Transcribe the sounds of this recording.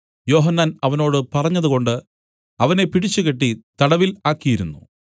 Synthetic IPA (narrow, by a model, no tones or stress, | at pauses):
jo̞ːɦɐnːaːnɐʋɐno̞ːɽɨpɐrɐɲːɐðuko̞ɳɖɨ | ɐʋɐne̞piɽit͡ɕːuɣe̞ʈːit̪ɐɽɐʋilaːkːijiɾunːṵ